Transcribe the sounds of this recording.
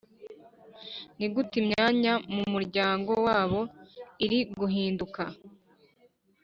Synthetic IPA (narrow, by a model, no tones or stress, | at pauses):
niɡutimɲaːɲamumuɾɟaːŋɡo̞waːβo̞iɾiɡuɦiːnduka